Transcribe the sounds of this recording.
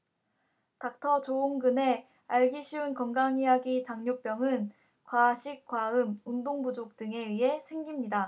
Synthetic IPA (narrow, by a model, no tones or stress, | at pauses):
tak̚tʰʌt͡ɕoumɡɯne̞ | aɭɡiɕʰiunkʌŋɡaŋijaɡitaŋɲop͈jʌŋɯn | kwaɕʰik̚k͈waɯmundoŋbud͡ʑok̚t͈ɯŋe̞iɦe̞sʰe̞ŋɡimɲida